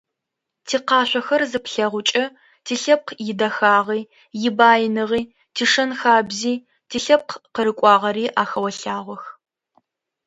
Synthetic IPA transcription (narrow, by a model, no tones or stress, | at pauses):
tʰiːqɑːɕʷɔxɐrzɨpɬɐʁʷʊt͡ʃʼɐ | tʰiːɬɐp̚qʰjɪdɐxaːʁiː | jɪbaːjɪnɨʁiː | tʰiːʂɐnxaːbziː | tʰiːɬɐp̚qʰqəɾɨkʷʼɑːʁɐɾiːʔaːxɐwɐɬaːʁʷɔx